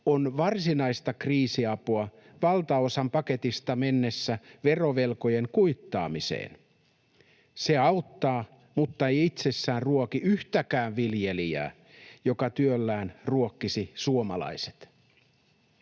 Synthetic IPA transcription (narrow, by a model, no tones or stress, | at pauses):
onʋɑrsinɑist̪ɑkriːsiɑpuɑ | ʋɑlt̪ɑosɑmpɑke̞t̪ist̪ɑmenːesːæʋe̞ro̞ʋe̞lko̞jeŋkuit̪ːɑ̰ːmisḛːn | seɑut̪ːɑː | mut̪ːɑejit̪sesːæːnruokiyht̪ækæːʋʋilje̞liæ̰ː | jo̞kɑt̪yølːæːnruokːisisuomɑ̰lɑ̰ise̥t̪